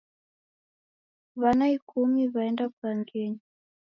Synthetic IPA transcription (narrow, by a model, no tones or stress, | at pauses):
βanaikʰumiβaɛndaklaŋɡɛɲi